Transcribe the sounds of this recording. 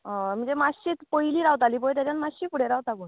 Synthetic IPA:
ɦãm̤əɳd͡zemaɕit̪pəjiliːɾawt̪aliːpojt̪̬jat͡ɕjanmaɕiːpuɽ̤eɾawt̪aɡuːn

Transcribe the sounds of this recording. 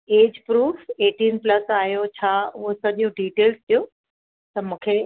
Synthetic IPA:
eːd͡ʑpɾuːfeːʈiːnplɐsaːjot͡ɕʰaːʊɦosɐɗijũɖiːʈeːlst̪ʰijo | t̪ɐmũːkʰe

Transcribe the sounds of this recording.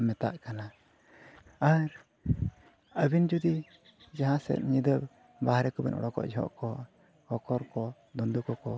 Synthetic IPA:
mɛt̪a̰ʔkana | aɾ | əbind͡ʒud̪i | d͡ʒaɦãsɛ̰t̪̚ɲid̪əb | baɦɾɛkɔbɛ̰nʔɔ̰ɽɔkɔ̰ʔd͡ʒɛɦɔ̰ʔkɔ | hɔkɔɾkɔ | d̪ɔnd̪ukɔkɔ

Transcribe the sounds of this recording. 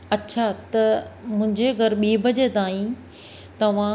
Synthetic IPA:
ɐtːɕʰat̪ɐmʊ̃ɦɪ̃ɲd͡ʑeɐɡəɾɓiːbɐd͡ʑet̪aːĩ | t̪ɐʋ̤ã

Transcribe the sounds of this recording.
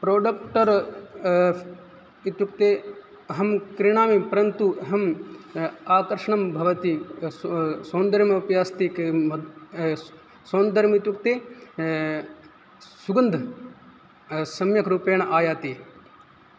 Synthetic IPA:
pɾoːɖɐkʈɐɾ | it̪juk̚t̪eː | ɐɦɐmkɾiɳ̃aːmipɾɐnt̪uɦɐm | aːkɐɾʂɐɳɐmbʱɐʋɐt̪i | soːnd̪ɐɾimɐpjaːst̪ikmɐ | soːnd̪ɐɾmit̪jukt̪eː | suɡɐnd̪ʱɐ | sɐmjɐkɾupeːɳɐʔaːjaːt̪i

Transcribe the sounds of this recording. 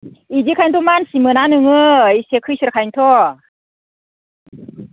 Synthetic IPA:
ʔid͡ʒikʰajnt̪ʰomansimɯnanɯŋɯisekʰɯsiɾkʰajnt̪ʰo

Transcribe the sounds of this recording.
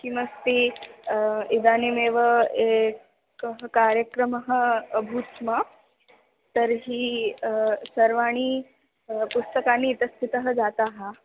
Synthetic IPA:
kiməst̪i | id̪animeʋəek | kəɦəkaɾjəkɾəməɦəəbʱut̪mə | t̪əɾɦiː | səɾʋaɽ̃iː | pust̪əkaniːt̪əst̪ʰit̪əɦəd͡zat̪aɦa

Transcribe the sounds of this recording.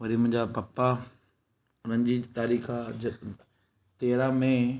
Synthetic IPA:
ʋɐɾimʊ̃ɦɪ̃ɲd͡ʑapɐpːa | ʊn̤ənd͡ʑiːt̪aːɾiːxad͡ʑɐ | t̪eːɾamẽ

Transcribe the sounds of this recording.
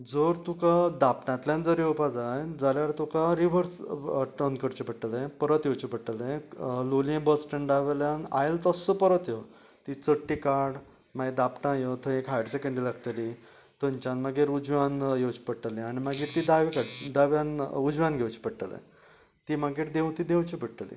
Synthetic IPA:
d͡zəɾt̪ukad̪apʈãt̪lʲjãnd͡zəɾjewpad͡zajd͡zaljaɾt̪ukaɾiʋəɾsʈənd̪kəɾt͡ɕipəɽʈːəlẽpəɾət̪jewt͡ɕipəʈːəlẽloliẽbəsʈəɳɖaʋeljãna̰jlt̪əsəpəɾət̪je | t̪it͡səʈːikaɾɽ | maɡid̪apʈãjot̪ʰə̃ekɦajɖsekəɳɖilaɡt̪əli | t̪əɲt͡ɕãnmaɡiɾud͡ʑʋanjewt͡ɕi̥pəɽʈəlẽaɽ̃imaɡiːɾt̪id̪aʋikaʈd̪aʋjãnud͡ʑʋanɡʱewt͡ɕi̥pəɽʈːəlḛ̃ | t̪imaɡiːʈd̪eũt̪id̪ewt͡ɕipəɽʈəlḭ

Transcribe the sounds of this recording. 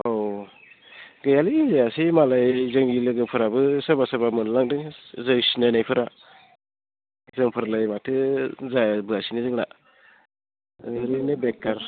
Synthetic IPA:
ow | ɡɯjaliːnzeasimalajzɯŋɡilɯɡɯpʰɯɾabɯsabasabamɯnlaŋdɯzɯjsinanajpʰɯɾa | zɯŋpʰɯɾlajmatʰɯzabɯasinizɯŋla̰ | ɾinɯbek̚ːaɾ

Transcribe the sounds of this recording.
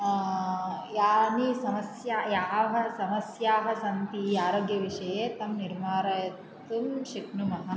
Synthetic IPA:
jaːnisɐmɐsjaːjaːʋɐ̆sɐmɐsjaːɦɐsɐnt̪ijaːɾoːɡjɐʋiʂɐjeːt̪ɐmniɾmaːɾɐjɐtt̪umʃiknumɐɦɐ̆

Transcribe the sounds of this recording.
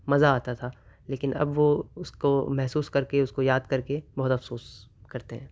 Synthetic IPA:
mɐzaaːt̪at̪ʰaː | leːkɪnɐ̰bʋoʊskomɛɦsuːskɐɾkeʊskojaːd̪̚kɐɾkebɔɦːt̪ɐfsoːskɐɾt̪eɦɛ̃ː

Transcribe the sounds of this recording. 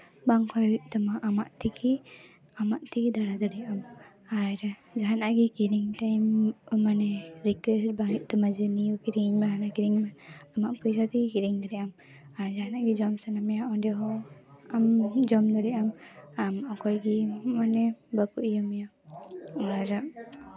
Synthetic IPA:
baŋkʰɔjwiʔ̚t̪ɔmaʔamaʔt̪iki | amaʔt̪ikid̪aɽad̪ɔɽɛʔam | aɾd͡ʒaɦanaʔɡikiɾiŋʈajmmanɛɾikwɛst̚baŋiʔ̚ˀt̪ɔmad͡ʒɛnijukiɾiŋmɛɦanakiɾiŋmɛamaʔpujsat̪iɡikiɾiŋd̪ɔɾɛʔam | aɾd͡ʒaɦanaʔɡid͡ʒɔmsanamjaɔdɛɦɔamd͡ʒɔmd̪ɔɽɛʔamamʔɔkɔjɡimanɛbəkuʔjumja | aɾa

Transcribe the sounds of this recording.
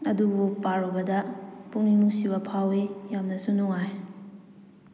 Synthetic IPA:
ɐdubupaɾobɐdɐpuŋninusiβɐpʰawejamnɐsunuŋaj

